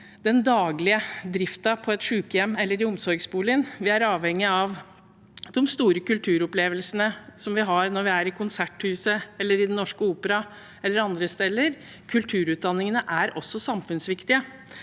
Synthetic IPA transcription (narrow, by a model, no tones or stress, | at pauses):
d̪ɛnd̪ɑːɡlɪəd̪ɾɪft̪ɑpʰɔɛt̪ʂʉːkəjɛmːɛlːəɾɪʊmsɔɾɡsbuːlɪnʋɪæɾɑːʋhɛŋːɪɑʋ | d̪ɔmst̪uːɾəkʉlt̪ʰʉːɾɔpleːʋəlsənəsɔmʋɪɦɑɾnɔɾʋɪæɾɪkʰʊnsæʈhʉːsəɛlːəɾɪd̪ɛnːɔʂkəuːpəɾɑ | ɛlːəɾɑnd̪ɾəst̪ɛlːəɾ | kʰʉlt̪ʰʉːɾʉːt̪̚d̪ɑnːɪŋənəʔæɾɔsːɔsɑmfʉnsʋɪkt̪ɪə